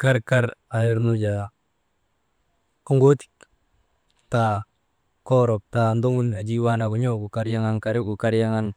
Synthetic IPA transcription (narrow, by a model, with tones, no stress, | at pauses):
ka˦ɾka˦ɾa˨ɪ˦ɾnu˦d͡ʒa˨ | ko˦ŋɡo˦ti̥k | ta | kɔ˦ɾɔ˨p̚ta˨ndo˦mu˦na˨d͡ʒi˦wa˦na˨ku˨ɲo˦ku˨ka˦ɾja˦ŋa˦ŋka˨ɾɪ˦ɡu˨ka˦ɾja˦ŋa˦n